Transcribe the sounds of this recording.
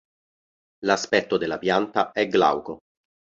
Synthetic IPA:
laspɛt̪ːod̪elːapjant̪aɛɡla̰wko

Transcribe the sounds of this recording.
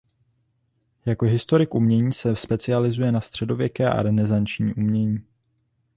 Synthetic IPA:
jako̞ɦɪst̪o̞ɾɪkʔumɲɛɲiːsɛspɛt͡sɪalɪzujɛnast̪r̝̥ɛdo̞vjɛkɛːʔa̰ɾɛnɛzant͡ʃɲḭːʔumɲɛɲiː

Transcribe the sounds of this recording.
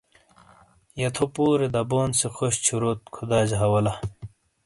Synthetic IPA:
jɐt̪ʰopuːɾed̪ɐboːnsexoɕt͡ɕʰuɾoːt̪̚kʰud̪aːd͡ʑɦɐwɐlɐ

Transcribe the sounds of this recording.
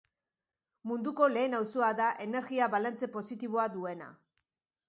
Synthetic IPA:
mund̪uko̞le̞ːnawsoaðaʔe̞ne̞ɾɣiaβalant͡se̞po̞sit̪iβ̞o̞aðue̞na̰

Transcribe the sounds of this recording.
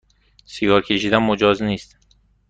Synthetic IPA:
siɡɒːɾkʰeʃid̪ænmod͡ʒɒːzniːst̪

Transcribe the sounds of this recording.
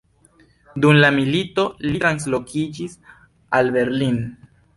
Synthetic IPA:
dumlamilito̞litɾans̬lo̞kʰid͡ʒis | albe̞ɾlin

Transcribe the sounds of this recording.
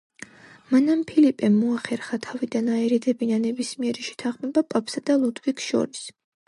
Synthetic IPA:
manampʰilipʼɛmːɔaχɛɾχat̪ʰavid̪anaɛɾɛd̪ɛbinanɛbismiɛɾiʃɛ̥t̪ʰanχmɛbapʼapʰsad̪̥alˠud̪vikʰʃɔ̰ɾis

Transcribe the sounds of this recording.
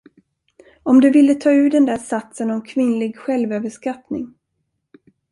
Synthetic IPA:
ɔmd̪ɵvɪlːət̪ʰɑːʉ̟ːd̪ɛnd̪æːʂat̪sənɔmkʰvɪnlɪɡɧɛlvøːvəʂkat̪nɪ̰ŋ

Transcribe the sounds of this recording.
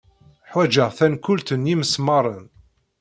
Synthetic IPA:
ħwæd͡ʒəʁθænkʊlt̪ənjiməsmɑɾˤən

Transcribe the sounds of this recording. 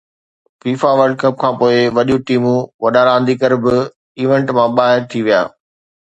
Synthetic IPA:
fiːfaʋɐɾɖ̚kɐp̚kʰãːpoːɪʋɐɗijũʈiːmũʋɐɗaɾãːnd̪iːkəɾbɪ | iːʋẽɳʈmãɓaːɦɪɾt̪ʰiʋija̰ː

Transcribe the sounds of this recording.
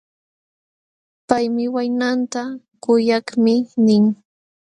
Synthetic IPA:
pajmɪwajnant̪a | kʊjakmɪnɪŋ

